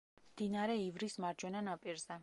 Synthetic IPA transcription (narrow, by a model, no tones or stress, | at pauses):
md̪̥inaɾɛivɾismaɾd͡ʒwɛnanapʼiɾzɛ